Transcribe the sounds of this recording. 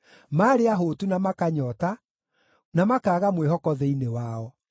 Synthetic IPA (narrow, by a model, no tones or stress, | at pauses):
maːɾeaɦoːtunamakaɲɔta | namakaːɣamweɦɔkɔðɛinewaɔ